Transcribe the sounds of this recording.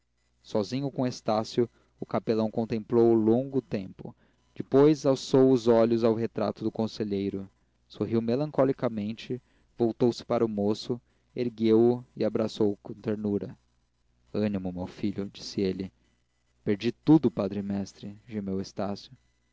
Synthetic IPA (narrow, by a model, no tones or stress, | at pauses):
sɔzĩɲʊkõest̪asjʊ | ʊkapelɐ̃w̃kõt̪ẽmplowlõŋɡʊt̪ẽmpʊ̰ | d͡ʒɪpojzawsowʊzɔʎʊzawɦet̪ɾa̰t̪ʊd̪ʊkõseʎejɾʊ | soɦiwmelɐ̃ŋkɔlikɐmẽnt͡ʃɪ | vowt̪owsɪ̥paɾʔʊmosʊ | eɾɡewʊɪabɾasowkõt̪eɾnuɾɐ | ɐ̃nimʊmewfiʎʊd͡ʒisɪelɪ | peɾd͡ʒit̪ud̪ʊpad̪ɾɪmɛst̪ɾɪʒemewest̪asjʊ